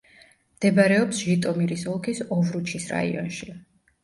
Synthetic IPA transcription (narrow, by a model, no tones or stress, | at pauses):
md̪̥ɛbaɾɛɔpsʒit̪ʼɔmiɾisɔlˠkʰisɔvɾut͡ʃʰisɾa̰ḭɔ̰nʃi